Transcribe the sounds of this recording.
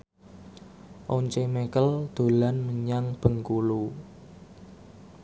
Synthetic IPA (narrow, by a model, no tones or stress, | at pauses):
ʔoɲt͡ʃemekəld̪̥o̤lanməɲaŋb̥ə̤ŋkulu